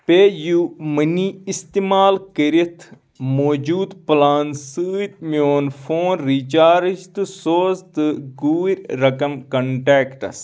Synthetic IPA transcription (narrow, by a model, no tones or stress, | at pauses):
peːjuːmɐniist̪imaːlkəɾit̪ʰ | moːd͡ʒuːd̪plaːnsɨːit̪mioːnfoːnɾit͡ʃaːɾd͡ʒt̪ɨsoːzt̪ɨɡuːɾʲɾɐkɐmkɐɳʈɛːkʈɐ̰s